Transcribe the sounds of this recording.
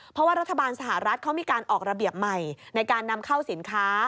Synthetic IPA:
pʰɾɔ˦˥waː˥˩ɾa˦˥t̪ʰːa˧baː˧nsa˧ɦa˨˩ɾa˦˥t̪̚kʰa˦˥wmiː˧kaː˧nʔɔː˨˩k̚ɾa˧bi˨˩əp̚ma˨˩jna˧jkaː˧nːa˧mkʰa˥˩wsi˩˦nkʰaː˦˥

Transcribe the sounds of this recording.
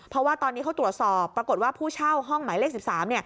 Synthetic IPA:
pʰɾɔ˦˥waː˥˩t̪ɔː˧nːi˦˥a˦˥wt̪ɾu˨˩ət̪̚sɔː˨˩pːɾa˧ko˨˩t̪̚waː˥˩pʰuː˥˩t͡ɕʰa˥˩wɦɔ˥˩ŋmaː˩˦jleː˥˩k̚si˨˩p̚saː˩˦mni˥˩ɐ

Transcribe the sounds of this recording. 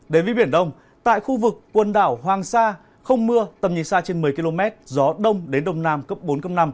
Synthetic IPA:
ɗe˨˦nvə˨˦ɓi˧˩ənɗə˧wŋ͡m | t̪a̰ː˧˨jxu˧vɨ˨˩kːwə˨˩nɗaː˧˩wɦwaː˨˩ŋsaː˧ | xə˧wŋ͡mmɨ˧ət̪ə˨˩mɲi˨˩saː˧t͡ɕe˧nmɨ˨˩əjki˧lo˧mɛ˦˥t̚zɔ˨˦ɗə˧wŋ͡mɗe˨˦nɗə˧wŋ͡mnaː˧mkəː˦˥p̚ɓo˨˦nxə˧wŋ͡mna˧m

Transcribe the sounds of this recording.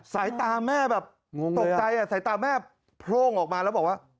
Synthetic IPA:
sa˩˦jt̪aː˧mɛː˥˩bɛː˨˩p̚ | ŋo˧t̪o˨˧kt͡ɕa˧jʔa˨˩sa˨˩˦jt̪aː˧mɛː˥˩ | pʰɾoː˧˥˩ŋʔɔː˨˩k̚maː˧lɛ˦˥bɔː˨˩k̚waː˥˩

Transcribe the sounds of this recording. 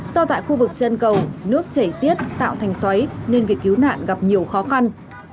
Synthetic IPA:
sɔ˧t̪a̰ː˧˨jxu˧vɨ˨˩k̚t͡ɕə˧nkə˨˩wnɨ˦˥ək̚t͡ɕə˧˩jsi˦˥ət̚t̪a̰ː˧˨wt̪ʰɛ˨˩jŋ̟swa˨˦jne˧nvi˨˩ək̚ki˨˦wna̰ː˧˨nɣa˨˩p̚ɲi˨˩əwxɔ˨˦xa˧n

